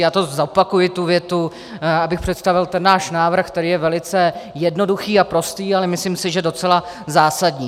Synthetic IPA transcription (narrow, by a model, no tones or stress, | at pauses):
jaːt̪o̞zapakujɪt̪uvjɛt̪u | abɪxpr̥ɛt̪st̪avɪlt̪ɛnːaːʃnaːvr̩xkt̪ɛɾiːjɛvɛlɪt͡sɛjɛdno̞duxiːapɾo̞st̪iːalɛmɪslimsɪʒɛdo̞t͡sɛla | zaːsadɲiː